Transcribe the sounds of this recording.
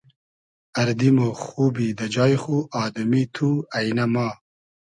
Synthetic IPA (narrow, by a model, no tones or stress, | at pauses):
ɐɾd̪imoxuːbid̪ɐd͡ʒɑːjxuʔɑːd̪umit̪ʰuɐjnɐmɑː